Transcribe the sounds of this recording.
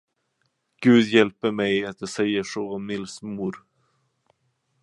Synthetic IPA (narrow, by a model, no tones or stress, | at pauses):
ɡ̥ʉ̟ːd̪jɛlpəɾmɛjat̪̚j̪ɑsɛjːəʂoɔmɪlsmuɾ